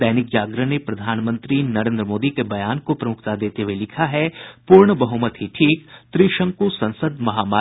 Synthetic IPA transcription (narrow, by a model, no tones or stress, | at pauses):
ɛːnɪkd͡ʒaːɡɾənepɾɐd̪ʱaːnmə̃nt̪ɾinɐɾẽːnd̪ɾəmoːd̪ikebɐjaːnkopɾɐmʊkʰt̪ad̪eːt̪eʋelɪkʰaɦɛpuːɾɳəbɐɦʊmət̪ɦiʈʰiːkt̪ɾiʃə̃ŋkusɐ̃nsəd̪mɐɦaːmaː